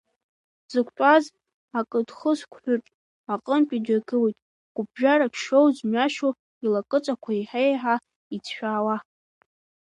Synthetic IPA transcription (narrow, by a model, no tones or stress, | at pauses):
z̥ɨkʷʰʼtʼaz | akʼɨdχəskʷʰħʷᶣʊtʼ | aqʼəmpʼidaɡʰɨwijtʼ | ɡ̥ʷʊb̚ʒᶣaɾapʰʃowzmaʃo | ilakʼɨt͡sʼakʷʰaiħejħa | it͡sʰʃᶣaːwa